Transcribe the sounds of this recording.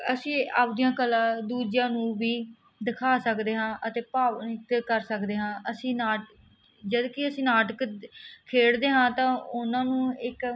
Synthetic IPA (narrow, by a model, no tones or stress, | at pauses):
əsĩːaːp̚d̪ijãːkəlãːd̪uːd͡ʒjãːnũːʋiː | d̪ɪkʰaːsəkd̪eːɦãːʔət̪eːpaːʋt̪kəɾsəkd̪eːɦãːʔəsĩːnaːʈ | d͡ʒəd̪kɪəsĩːnaːʈəkkʰːeːɽd̪eːɦãːt̪ãːʊnãːnũːɪk